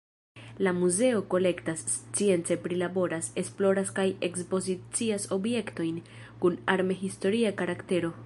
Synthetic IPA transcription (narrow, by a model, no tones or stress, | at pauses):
lamuze̞o̞ko̞le̞ktast͡sie̞nt͡se̞pɾilabo̞ɾase̞splo̞ɾaskaje̞kspo̞zit͡siaso̞bje̞kto̞jn | kunaɾmeɦisto̞ɾiakaɾakte̞ɾo̞